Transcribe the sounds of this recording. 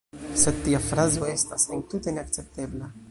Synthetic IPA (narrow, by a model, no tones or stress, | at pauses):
sed̪̚tːiafɾazo̞estasent̪ut̪e̞ne̞akt͡se̞p̚t̪e̞bla